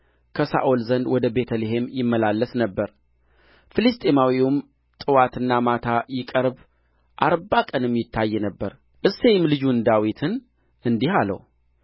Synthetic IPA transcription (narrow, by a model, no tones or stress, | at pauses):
kʰəsa̰ʔolzənd̪wɔd̪əbe̞t̪ʰəleɦe̞mjɪmːəlalːəsnəbːəɾ | fɨlɨst̪ʼemawiwum | t̪ʼɨwat̪ɨnːamat̪ʰajɪkʼəɾb | ʔaɾbakʼənɛmːjɪt̪ʰːajːɛnəbːəɾ | ʔɨsːe̞jmlɨd͡ʒund̪awit̪ʰɨn | ɨnd̪ihalə̰w